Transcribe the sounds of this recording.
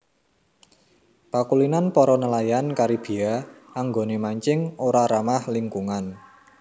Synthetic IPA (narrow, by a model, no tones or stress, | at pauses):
pakulinanpɔɾɔnəlajankaɾib̥i̤aaŋɡonemaɲt͡ʃɪŋoɾaɾamahliŋkuŋan